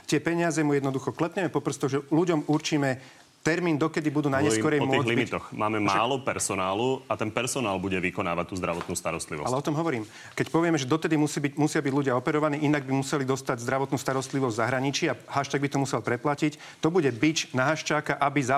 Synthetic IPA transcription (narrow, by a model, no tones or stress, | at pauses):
t̪ɪɛpɛɲɪazɛmujɛd̪nɔd̪uxɔklɛpɲɛmɛpɔpr̩st̪ɔɣʒɛluɟɔmuɾt͡ʃiːmɛ | t̪ɛɾmiːnd̪ɔkɛd̪ibud̪uːnaɲɛskɔɾɛjmɔlibmitt̪ɔxmaːmɛmaɛːlɔpɛɾsɔnaːluat̪ɛnpɛɾsɔnaːlbuɟɛʋikɔnaːʋat̪ːuːzd̪ɾaʋɔt̪nuːst̪a̰ɾɔst̪lḭʋɔ̰alɛɔt̪ɔmɦɔʋɔɾiːm | kɛcpɔʋɪɛmɛʒɛd̪ɔt̪ɛd̪imusibimusɪabiɟluɟɪaɔpɛɾɔʋaniːinaɡ̚bimusɛlid̪ɔst̪aɟzd̪ɾaʋɔt̪nuːst̪aɾɔst̪liʋɔzʲzaɦɾaɲit͡ʃiaɦaʃt̪aːɡbit̪ɔmusɛlpɾɛplacic | t̪ɔbuɟɛbit͡ʃnaɦaʃt͡ʃaːkaʔabiza